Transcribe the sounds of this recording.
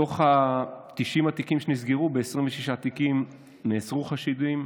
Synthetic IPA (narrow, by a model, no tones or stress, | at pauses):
o̞χat̪iʃimat̪ikimʃe̞nizɡiʁube̞esʁimveʃiʃaːt̪ikim | neːt͡sʁuχaʃid̪uim